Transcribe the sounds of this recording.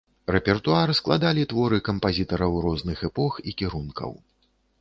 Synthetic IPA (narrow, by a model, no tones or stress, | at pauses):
rɛpʲɛrt̪uaɾɨsklˠa̰d̪alʲit̪vɔɾɨkɐmpazʲit̪ɐɾɐwɾɔznɨxɛpɔxikʲiɾunkʰɐ̰w